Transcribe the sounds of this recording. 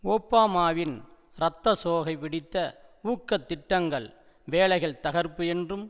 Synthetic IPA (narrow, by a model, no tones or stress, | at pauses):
oːpːaːmaːʋɪn | ɾɐt̪ːɐsoːɣɐɪpɪɽɪt̪ːɐuːkːɐt̪ːɪʈːɐŋɡɐɭ | ʋeːɭɐɪɣɐɭt̪ɐɣɐɾpːɯɛndrɯm